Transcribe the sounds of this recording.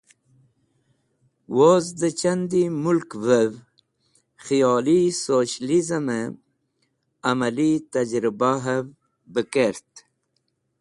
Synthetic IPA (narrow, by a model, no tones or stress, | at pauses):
wozd̪ət͡ɕand̪imulkvəv | xijɑːlisoɕlizəme | amalit̪ad͡ʑɾibaɦəm | bəkeɾt̪